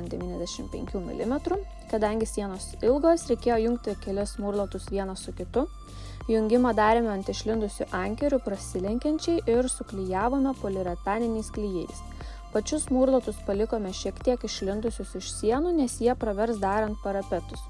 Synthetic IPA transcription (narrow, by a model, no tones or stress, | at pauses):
nd̪ʲɛʋʲiːnʲɛzʲd̪ʲɛʃʲɪmpʲɛ̰ŋʲkʲuːmʲɪ̰lʲɪmʲɛt̪ɾʊ | kɐd̪ɐŋʲɡʲɪsʲiɛnoːsɪlˠɡoːsɾʲɛɪkʲeːjoːjʊŋk̚t̪ʲɪkʲɛlʲɪsmuːɾlˠɐt̪ʊsʋʲiɛnɐsʊkʲɪt̪ʊ | jʊŋʲɡʲɪmɐd̪ɑːɾʲeːmʲɛɐnt̪ʲɪʃʲlʲɪnd̪ʊsʲʊʔɐŋʲkʲɛɾʲʊpɾɐsʲɪlʲɛŋʲkʲɛnʲt͡ʃʲɛɪʔɪɾsʊklʲɪjæːʋoːmʲɛpoːlʲɪɾʲɛt̪ɑːnʲɪnʲɛɪsklʲijɛɪs | pɐt͡ʃʲʊsmuːɾlˠɐt̪ʊspɐlʲɪkoːmʲɛʃʲiɛkt̪ʲiɛkɪʃʲlʲɪnd̪ʊsʲʊsɪʃsʲiɛnuːnʲɛsjiɛpɾɐʋʲɛɾsd̪ɑːɾɐnt̪̚pɐɾɐpʲɛt̪ʊs